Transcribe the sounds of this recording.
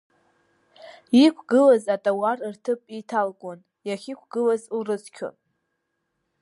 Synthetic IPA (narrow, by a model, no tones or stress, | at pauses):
ikʷʰɡɨlazatʼawarrtʰɨpʼitʰalkʼon | jaχʲikʷʰɡɨlazurɨzkʲʰʊ̰